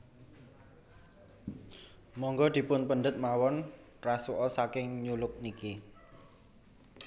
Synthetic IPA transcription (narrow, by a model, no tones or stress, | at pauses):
mɔŋɡɔd̪̥i̤pʊnpənɖ̪ət̪̚mawɔn | rasuʔɔsakɪŋɲulʊk̚niki